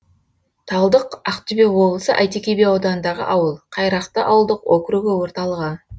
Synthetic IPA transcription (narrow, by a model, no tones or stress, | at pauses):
t̪ʰɑlˠd̪əqɑqt̪ʏbewo̞blˠsəʔɑjt̪ekʲebeɑwd̪ɑnnd̪ɑʁə̰ʔɑwəlˠqʰɑjɾɑqt̪əʔɑwəlˠd̪əqwokɾuɡʲɪwo̞ɾt̪ɑlˠəʁə